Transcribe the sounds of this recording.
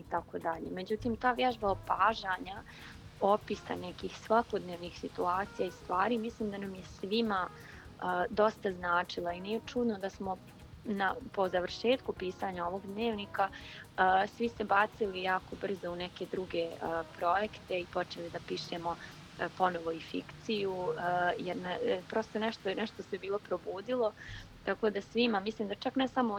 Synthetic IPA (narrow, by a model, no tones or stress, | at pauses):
it̪akod̪aʎe̞̰me̞d͡ʑut̪iːmt̪aːʋjɛʒbaopaːʒaɲa | opisa̰nɛkiːxsʋako̞d̪neːʋniːxsit̪uaːt̪sijaist̪ʋaːɾimisliːmd̪anamjesʋima | əd̪o̞st̪aznaːt͡ʂilˠainijet͡ʂud̪nod̪asmo̞ | napo̞zaʋrʃeːt̪kupiːsaɲao̞ʋo̞ɡd̪neːʋniːkaəːsʋisebat̪silijaːko̞br̩zounɛke̞d̪ɾuɡe̞əːpɾo̞je̞kt̪e̞ipo̞t͡ʃe̞lid̪apiːʃemo̞ | po̞noʋo̞ifikt̪sijujeɾnapɾo̞ːst̪onɛʃt̪onɛʃt̪osebiːlˠo̞pɾo̞buːd̪ilˠo̞t̪ako̞d̪asʋimamislˠiːmd̪at͡ʃaknɛsamo